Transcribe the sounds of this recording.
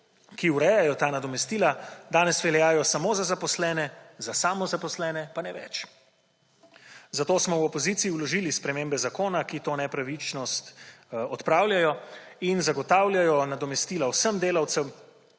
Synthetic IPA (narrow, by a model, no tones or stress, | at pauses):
kiuɾɛjajɔt̪aːnad̪ɔmɛst̪iːlad̪aːnɛsʋɛljaːjɔsamoːzazapɔslɛːnɛzasaːmɔzapɔslɛːnɛpanɛʋɛ̰t͡ʃ | zat̪oːsmɔwɔpɔziːt̪siiwlɔʒilispɾɛmeːmbɛzakoːnakit̪oːnɛpɾaʋit͡ʃnɔst̪ɔt̪pɾaːwlʲjajɔinzaɡɔt̪aːwlʲjajɔnad̪ɔmɛst̪iːlawsəmd̪eːlawt̪sɛw